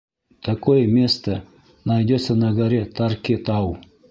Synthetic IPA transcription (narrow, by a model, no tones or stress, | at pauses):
t̪ɐkojmʲest̪ɐ | nɐjd̪ʲesʲɐnɐɡɐɾʲet̪ɑrkʲet̪ɑw